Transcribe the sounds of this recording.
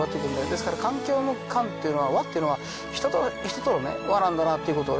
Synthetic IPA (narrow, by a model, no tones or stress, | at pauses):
at̪ːekɯɾɯ̃nd̪ajod̪e̞sɨ̥kaɾakãŋkʲo̞ːnokʰãnt̪ːejɯ̟noβaβat̪ːeiɯ̟noβa | ç̥t̪t̪oçi̥t̪ot̪oonḛβaɾãnd̪anat̪ːeiɯ̟ko̞t̪o̰ː